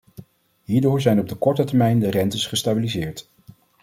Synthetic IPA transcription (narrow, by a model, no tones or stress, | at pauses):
ɦiːɹdʊːɹzɛjnɔb̚dəkɔɹtətəɹmɛjndərɛntəsχəstabilizɪːɹt